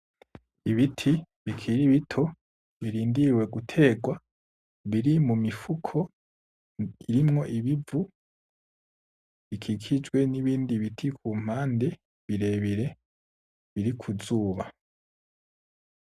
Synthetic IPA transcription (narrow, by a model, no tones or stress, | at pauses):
iβitʰi | βikʰiɾiβitʰo̞ | βiɾiːndiwe̞ɡutʰe̞ːɡwa | βiɾimumifukʰo̞ | iɾimŋo̞ʔiβivu | βikʰikʰid͡ʒwe̞niβiːndiβitʰikuːm̥haːnde̞ | βiɾe̞ːβiɾe̞ | βiɾikʰuzuːβa